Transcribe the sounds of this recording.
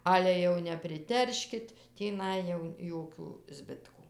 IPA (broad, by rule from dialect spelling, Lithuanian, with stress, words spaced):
ˈɑːlʲɛ jɛʊ nʲɛpʲrʲɪˈtʲɛrʲʃʲkʲɪt tʲiːˈnɐɪ jɛʊ ˈjoːkʲuː ˈzʲbʲɪtkuː